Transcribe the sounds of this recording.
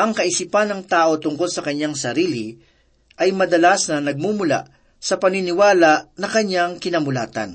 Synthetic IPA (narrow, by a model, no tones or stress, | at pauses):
ʔɐŋkɐʔɪsipɐnːɐŋt̪aːʔo̞t̪ʊŋko̞lsɐkɐɲaŋsɐɾiːlɪ | ʔɐjmɐd̪ɐlasnɐnɐɡ̚mumʊla̰ʔ | sɐpɐninɪwaːlaʔnɐkɐɲːaŋkɪnɐmʊla̰ːt̪ɐ̰n